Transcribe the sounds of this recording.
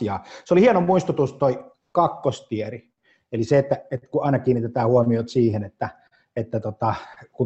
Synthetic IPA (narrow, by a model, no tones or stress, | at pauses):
iɑ̰ːseolihienomuist̪ut̪ust̪oi | kɑkːost̪ieri | eliseet̪ːæet̪kuɑˑinɑkiːnːit̪et̪æːhuomiot̪siːhenet̪ːæ | et̪ːæt̪ot̪ɑkun